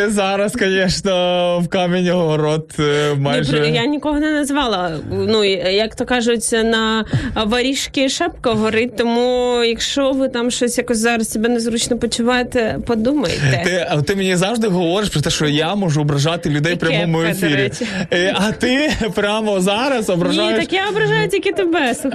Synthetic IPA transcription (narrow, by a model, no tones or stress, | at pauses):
ɪzɑɾɐskɔnʲɛʃnɔwkɑmʲɪnʲiɦɔɦɔɾɔt̪mɑnjʒpɛjanʲikɔɦɔnɛnɐzʋɑlˠɐnujɐkt̪ɔkɑʒʊt͡sʲnɐʋɐɾʲiʃkʲɪʃɛp̚kɐɦɔɾɪtʲt̪ɔmujɐkʃt͡ʃɔʋɪt̪ɑmʃt͡ʃɔsʲjakɔsʲzɑɾɐstʲɪbʲɛnɛzɾut͡ʃnɔpɔt͡ʃʊʋɑt̪epɔd̪umɐ̰jt̪ɛt̪ɪt̪ːɪmʲenʲizɑʋʐd̪ɪɦɔʋɔɾɪʃpɾɔt̪ɛʃt͡ʃɔjamɔʒuɔbɾɐʒɑt̪ɪlʲʊd̪ɛjpɾʲɐmɔmʊefʲiɾʲʊ | ɐt̪ɪpɾʲamɔzɑɾɐsɔbɾɐʒitj̪ɐʃkjaɔbɾɐʒajʊtʲikʲit̪ɪbɛsʊx